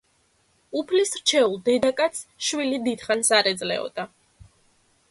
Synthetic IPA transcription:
upʰlisɾ̥t͡ʃʰɛulˠd̪ɛd̪akʼat̪sʃwilid̪id̪̥χansaɾɛd̪zlɛ̰ɔ̰d̪̥a

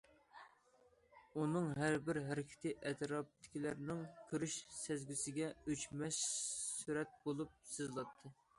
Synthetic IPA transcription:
unɨŋɦæɾbɪɾɦæɾɪkʲʰɪ̥t̪ʰɨʔɛt̪ʰɾɑp̚t̪ʰːɪ̥kʲilæɾnɪŋkʲʰøɾyʃsæzɡʲysɪɡʲɛyt͡ʃmɛʃsyɾɛt̪̚bolˠup̚sɨzlˠɑt̪ʰːɨ

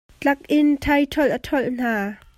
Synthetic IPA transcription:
t͡ɬɐk̚ʔɪntʰɐjt̪ʰɔlʔat̪ʰɔlʔn̥aː

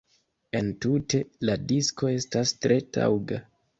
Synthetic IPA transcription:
e̞ntutʰe̞ladisko̞e̞stastɾe̞ta̰wɡa

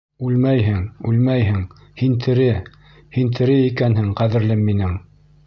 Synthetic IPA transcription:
ʉlmæjɦɘŋʉlmæjɦɘŋ | hint̪ʰɘ̆ɾɘ | hint̪ʰɘ̆ɾɘikænhɘŋqæðɘ̆ɾlɘmːinɘŋ

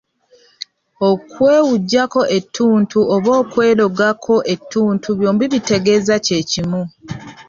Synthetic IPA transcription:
o̞kwe̞ːwuɟːako̞ʔe̞tʰːuːntʰuoβo̞ːkwe̞ːlo̞ɡakʰo̞ʔe̞tʰːuːntʰuβjo̞ːmbiβite̞ɡe̞ːzace̞ːcimu

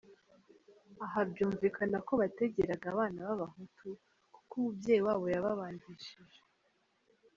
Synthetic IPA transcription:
aɦabjuːɱviːkʰanako̞βate̞ɟe̞ɾaɡaβaːnaβaβaɦutʰu | kkumubɟe̞ːjiwaːβo̞jaβaβaːndiʃiʒe̥

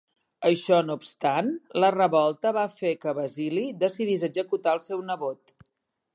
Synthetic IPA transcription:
əʃɔnupst̪anlərəβɔlˠt̪əβafekəβəziliðəsiðizəɡzəkut̪aəlˠsɛwnəβot̪̚

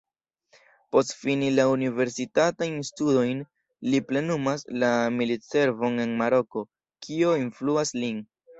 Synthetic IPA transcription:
po̞stfinilaunive̞ɾsitatajnstudo̞jn | liple̞numaslamilit͡se̞ɾvo̞ne̞nmaɾo̞ko̞ | kʰio̞influaslin

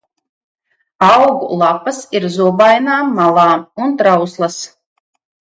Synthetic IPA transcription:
awɡṵlˠapasiɾzuɔbajnaːmːalˠaːunt̪ɾawslˠɐs

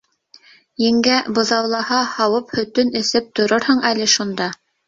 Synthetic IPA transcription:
jɘ̆ŋɡæbɤ̆ðɑwlˠɑhɑhɑwɤphɵ̆t̪ɵnɘ̆sɘp̚t̪ŏɾoɾhɤɴælɘ̆ʃund̪ɑ

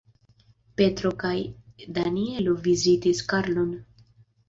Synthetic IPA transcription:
pe̞tɾo̞kajdanie̞lovizitiskaɾlo̞n

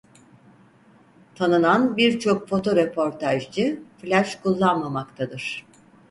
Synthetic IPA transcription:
t̪ʰanɯnanbiɾt͡ʃʰo̞kfo̞t̪ʰo̞ɾepʰo̞ɾt̪ʰaʒd͡ʒɯflʲaʃkʰulˠːanmamakt̪ʰad̪ɯɾ̥

